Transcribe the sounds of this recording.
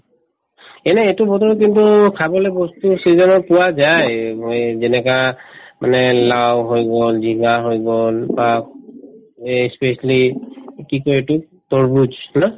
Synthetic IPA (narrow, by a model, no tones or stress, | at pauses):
ɛnɛetubɔtɔɹk̬intukʰabɔlɛbɔstusizɔnɔpʊwazajmojzɛnɛkamanɛlawɦojɡɔlziɡaɦojɡɔlba | spesalikikojetu | tɔɹbud͡ʒnɔ